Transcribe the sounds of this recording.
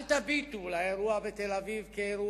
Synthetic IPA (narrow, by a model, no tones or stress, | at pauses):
lt̪abit̪ulaeɾuavet̪elavivkeeɾu